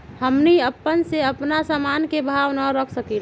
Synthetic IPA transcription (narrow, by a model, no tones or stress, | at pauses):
həmniəpːənseəpnasamankebʱaʋnəɾəkʰsəkil